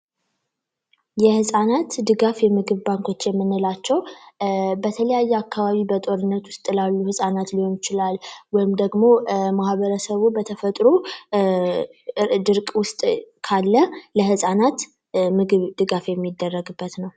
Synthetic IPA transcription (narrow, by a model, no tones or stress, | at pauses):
jɛhɨsʼanat̪d̪ɨɡafjɛmɨɡɨβbaŋkʰo̞t͡ʃːjɛmːɨnːɨlat͡ʃːɛw | bət̪ʰələjajːɛakːaβaβibət̪ʼo̞ɾɨnːət̪wʊst̪ʼlalːuhɨsʼanat̪liho̞njɪt͡ʃɪlalwɔjɪmd̪əɡmo̞mahβəɾəsəβubət̪ʰəfət̪ʼɾu | d̪ɨɾkʼwʊst̪ʼkʰalːələhɨsʼanat̪ | mɨɡɨβd̪ɨɡafjɛmːid̪ːərːəɡɨbːət̪nəw